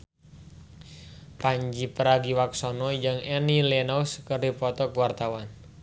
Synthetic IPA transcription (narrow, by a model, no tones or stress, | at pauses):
paɲd͡ʒipəɾaɡiwaksɔnɔd͡ʒɨŋɛnilɛnɔwskərdipɔt̪ɔkwart̪awan